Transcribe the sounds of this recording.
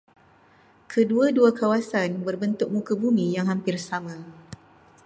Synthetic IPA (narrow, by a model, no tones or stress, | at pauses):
kʰəduaduakawasanbərbənt̪ʊk̚mũkəbumijaŋɦampɪrsamã